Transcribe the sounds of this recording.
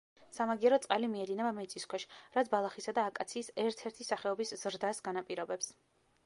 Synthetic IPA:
samaɡiɛɾɔt̪sʼqʼalimiɛd̪inɛbamɛt̪sʼiskʰwɛʃɾat̪sbalˠaχisad̪aːkʼat̪sʰiːsɛɾt̪ʰɛɾt̪ʰisaχɛɔbisz̥ɾd̪asɡanapʼiɾɔbɛps

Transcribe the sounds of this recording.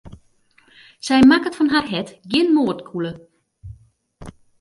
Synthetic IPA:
sɛjmakətfɔnɦarɦɛtɡjɪnmoərtkʰulə

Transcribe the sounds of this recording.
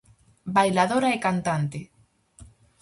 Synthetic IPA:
bajlaðoɾaekant̪ant̪e

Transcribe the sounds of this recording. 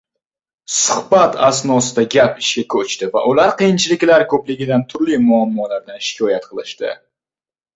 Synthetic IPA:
sʊhbat̪asnɒsɪd̪aɡʲapɪʃkʲakʲʰɵt͡ʃt̪ɪva̰ʔʊlaɾqɨjɪnt͡ʃʰɪlɪkʲlaɾkʰɵplɪɡʲɪd̪ant̪ʰʊɾlimʊamːɒlaɾd̪anʃɪ̥kʲʰɒjat̪qʰɨlˠɪʃt̪ɪ̰

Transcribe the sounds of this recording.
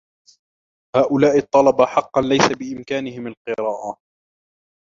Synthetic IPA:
haːʔʊlaːʔɪt̪ˤːɑlɑbaħɑqːɑnlajsabɪʔɪmkaːnɪhɪmalqɨɾaːʔa

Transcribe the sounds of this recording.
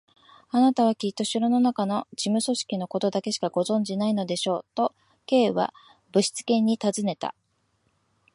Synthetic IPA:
anat̪aβ̞akʲit̪ːoɕɨɾɯno̞nakano̞ʑimɯ̟so̞ɕi̥kʲino̞ko̞t̪o̞d̪ake̞ɕi̥kaɡo̞zõ̞ɲ̟d͡ʑinaino̞d̪e̞ɕo̞ːt̪o̞ | ke̞ːβa̰ | bɯ̟ɕi̥t͡sɨ̥kẽ̞ɲ̟ːit̪azɨne̞t̪a̰

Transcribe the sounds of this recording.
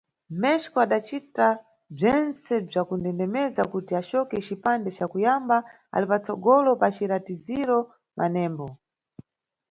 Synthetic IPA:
mɛʃkɔaɗat͡ʃita | b͡ʐɛnt͡sɛb͡ʐakundɛndɛmɛzakutiat͡ʃɔkɛt͡ʃipandɛt͡ʃakujamba | a̰lipat͡sɔɡɔlɔpat͡ʃiɾatiziɾɔ | mʔa̰nɛːmbɔ

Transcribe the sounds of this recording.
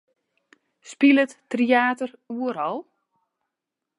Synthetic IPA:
spiləttriaːtəruəɾɔlˠ

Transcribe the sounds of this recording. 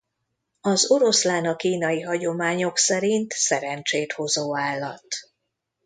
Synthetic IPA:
ɒzo̞ɾo̞slaːnɒkiːnɒjiɦɒɟo̞maːɲo̞ksɛɾint̪sɛɾɛnt͡ʃeːt̪ho̞zoːaːlːɒ̰t̪

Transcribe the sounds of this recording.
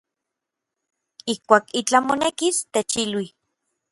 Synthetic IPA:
ihkʷaːkit͡ɬamonekist̪et͡ʃilwi

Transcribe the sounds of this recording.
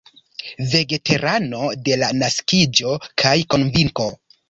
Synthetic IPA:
ve̞ɡe̞te̞ɾano̞de̞lanaskid͡ʒo̞kʰajko̞nviŋko̞

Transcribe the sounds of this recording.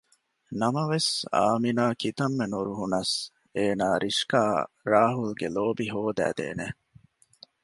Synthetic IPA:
nɐmɐʋesa̰ːminaːkit̪ɐmːenuɾuɦunɐs | eːnaːɾʔiʂkaː | ɾaːɦulɡeloːbiɦoːd̪æ̰ːd̪ḛːne

